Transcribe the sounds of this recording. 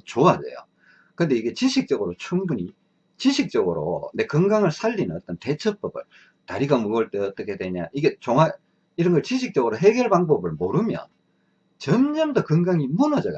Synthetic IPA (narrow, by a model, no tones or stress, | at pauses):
t͡ɕoade̞̰jo̰ | kɯnde̞iɡe̞t͡ɕiɕʰik̚t͡ɕ͈ʌɡɯɾot͡ɕʰuŋbuɲi | t͡ɕiɕʰik̚t͡ɕ͈ʌɡɯɾo̰nde̞kɯŋɡaŋɯɭsʰaʎːinɯnʌt͈ʌnte̞t͡ɕʰʌp͈ʌbɯ̰ɭ | taɾiɡamuɡʌɭt͈eʌt͈ʌkʰe̞dwe̞ɲa̰ʔiɡe̞t͡ɕoŋa | iɾʌnɡʌɭt͡ɕiɕ̬ʰik̚t͡ɕ͈ʌɡɯɾoɦe̞ɡjʌɭbaŋbʌbɯɭmoɾɯmjʌ̰n | t͡ɕʌnɲʌmdʌkɯŋɡaŋimunʌd͡ʑʌj